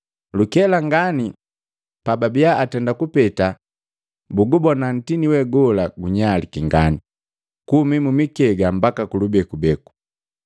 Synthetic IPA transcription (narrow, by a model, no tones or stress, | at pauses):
lukɛlaŋɡani | pababijaːtɛndakupɛta | buɡubɔnan̩tiniwɛɡɔlaɡuɲalikiŋɡa̰ni | kumimumikɛɡambakakulubɛkubɛku̥